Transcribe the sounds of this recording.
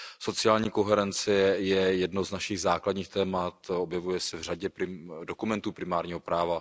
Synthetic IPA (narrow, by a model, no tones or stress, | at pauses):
so̞t͡sɪaːlɲiːko̞ɦɛɾɛnt͡sɪjɛjɛdnoznaʃiɣzaːkladɲiːxt̪ɛːmat̪objɛvujɛsɛvr̝aɟɛpɾɪdokumɛnt̪uːpɾɪmaːɾɲiːɦopɾaːva